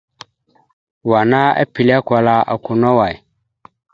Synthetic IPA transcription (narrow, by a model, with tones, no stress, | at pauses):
wa˨na˦a̰˦pi˨li˦a˦kʷa˨la˦a̰˨ku˨nɔ˦wa˨i˨